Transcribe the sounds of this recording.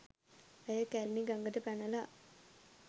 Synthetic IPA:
əjəkælniɡaŋɡəʈəpænəla

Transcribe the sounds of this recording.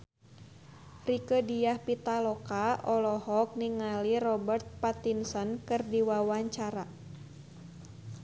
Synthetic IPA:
rikədijahpit̪alɔkaʔɔlɔhɔk̚niŋalirɔbərt̪̚pat̪insɔnkɨrdiwawaɲt͡ʃaɾa

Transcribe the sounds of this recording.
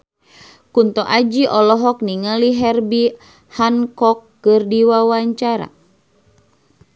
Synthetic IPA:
kunt̪ɔʔad͡ʒiʔɔlɔɦɔk̚niŋaliɦɛrbi | hankɔkːɨrdiwawaɲt͡ʃaɾa̰

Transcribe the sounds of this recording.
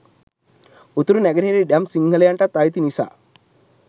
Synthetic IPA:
ut̪uɾunæɡəneɾiɖæmsiŋɡəlejaɳʈat̪ːajit̪inisa̰ː

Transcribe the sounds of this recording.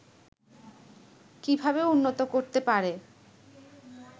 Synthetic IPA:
kibʱabeunːot̪okoɾt̪epaɾe

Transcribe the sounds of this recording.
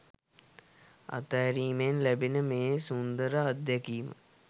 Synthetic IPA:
a̰t̪ajɾiːmenlæbinəmeːsund̪əɾəad̪jɛkiːmə̰

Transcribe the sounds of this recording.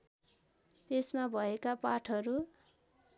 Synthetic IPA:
t̪esmabʱʌekapaʈʰʌɾu

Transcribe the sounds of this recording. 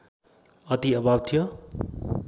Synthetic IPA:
ʌt̪iʌbʱab̚t̪ʰijo

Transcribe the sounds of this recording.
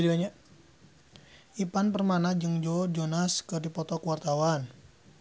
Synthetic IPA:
liaɲa | ipanpərmanad͡ʒɨŋd͡ʒɔd͡ʒonaskɨrdipɔt̪ɔkuwart̪awan

